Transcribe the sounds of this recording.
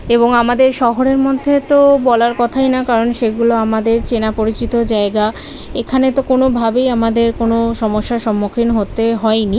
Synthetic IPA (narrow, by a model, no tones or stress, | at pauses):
eboŋamad̪eɾʃɔɦoɾeɾmod̪ʱːet̪obɔlaɾkɔt̪ʰajnakaɾonʃeɡuloamad̪eɾt͡ɕenapoɾit͡ɕit̪od͡ʑaeɡa | ekʰanet̪okonobʱabejamad̪eɾkonoʃɔmoʃːaʃɔmːokʰinɦot̪eɦɔeni